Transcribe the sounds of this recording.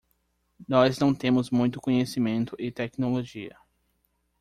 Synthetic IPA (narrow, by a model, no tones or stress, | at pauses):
nɔznɐ̃w̃t̪ẽmʊzmũj̃t̪ʊ̥kõɲesimẽnt̪ʊʔɪt̪ɛknoloʒiɐ̰